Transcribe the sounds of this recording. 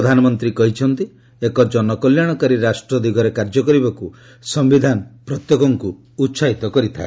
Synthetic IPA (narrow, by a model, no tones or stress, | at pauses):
ɔd̪ʱanɔmɔnt̪ɾikɔɦit͡ʃʰɔnt̪i | ekɔd͡ʒɔnɔkɔljaɽ̃ɔkaɾiɾasʈɾɔd̪iɡʱɔɾekaɾd͡ʒɔkɔɾibaku | sɔmbid̪ʱanɔpɾɔt̪jɔkɔŋku | utːʃaɦit̪ɔkɔɾit̪ʰa̰e